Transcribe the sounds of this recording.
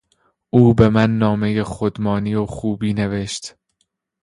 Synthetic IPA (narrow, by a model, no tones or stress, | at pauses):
ʔuːbe̞mænːɒːme̞jexod̪mɒːniːoxuːbiːne̞ve̞ʃt̪